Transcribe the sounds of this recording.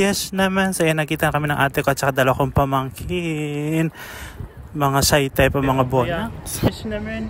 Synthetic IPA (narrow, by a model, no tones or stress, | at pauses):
jɛsnɐmansɐjanːɐkiːt̪ɐnkɐminɐŋʔaːt̪ɛkoɐt̪̚t͡ʃɐkad̪aːlwakoŋpɐmaŋkʰɪn | mɐŋasajt̪ajpɐmɐŋaboj